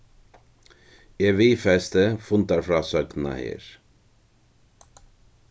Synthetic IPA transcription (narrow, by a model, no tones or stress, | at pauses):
eʋiːfɛst̪əfʊnt̪aɾfɾɑːsœɡna̰hḛːɾ